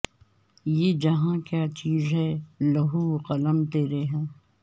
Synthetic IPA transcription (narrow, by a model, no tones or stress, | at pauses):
jeːd͡ʒɐɦãkjaːt͡ʃiːzɦɛlɐɦuqɐləmt̪eːɾeɦɛ̃ː